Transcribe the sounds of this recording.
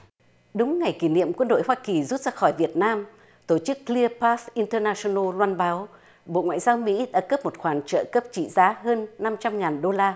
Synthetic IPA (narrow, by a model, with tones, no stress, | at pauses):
ɗʊ˨˦ŋ͡mŋa˨˩jki˧˩nḭ˧˨əmkwə˧nɗo̰˧˨jɦwaː˧ki˨˩zu˦˥t̚zaː˧xɔ˧˩jvi˨˩ət̚naː˧m | t̪o˧˩t͡ɕɨ˦˥kːli˧əpa˦˥sʔi˧nt̪əː˧naː˧so˧no˧lwaː˧nɓaː˨˦w | ɓo̰˧˨ŋwa̰ː˧˨jzaː˧wmḭ˧˥ɗa̰ː˧˥kə˦˥p̚mo˨˩t̚xwaː˨˩ŋt͡ɕə̰ː˧˨kə˦˥p̚t͡ɕḭ˧˨zaː˨˦ɦəː˧nːa˧mt͡ɕa˧mŋaː˨˩nɗo˧laː˧